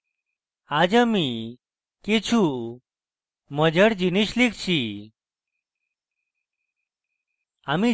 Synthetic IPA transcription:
ad͡ʒami | ket͡ʃʰu | məd͡ʑəɽd͡ʑiniɕlikʰt͡ɕʰi | ami

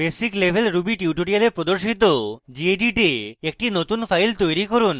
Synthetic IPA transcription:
besiklebʱelɾubiʈiuʈoɽialeɾpɾod̪oɾʃit̪od͡ʑieɖiʈeek̚ʈinot̪unfajlt̪ojɾikɔɾun

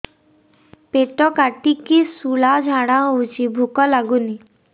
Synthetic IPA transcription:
peʈɔkaʈikisuɭad͡ʒʱaɽ̃aut͡ʃibʱukɔlaɡuni

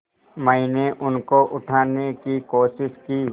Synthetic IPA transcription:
məineʔʊnkoʔʊʈʰaːnekikoːʃɪʃkiː

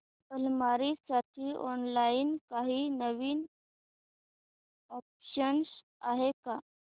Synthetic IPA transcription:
bəlmaɾisaʈʰiːʔɔnlainkaɦiːnəʋiːn | ɔp̚ɕəɳs | aɦeka

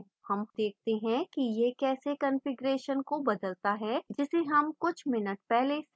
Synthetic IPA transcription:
hɐmd̪̥eːk̚ʰt̪eɦɛ̃kijekɛːsekɐ̃nfɪɡɾeːʃənkobɐd̪əlt̪aɦɛːd͡ʒɪseɦɐmkʊt͡ʃʰmɪnəʈ̚pɛɦles

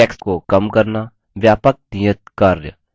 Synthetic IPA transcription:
ɛkskokɐmkɐɾna | ʋjaːpək̚nijət̪̚kaːɾjə̰

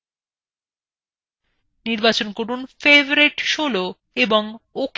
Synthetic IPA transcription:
niɾbat͡ɕonkoɾunfevoɾeʈʃolo | eboŋok

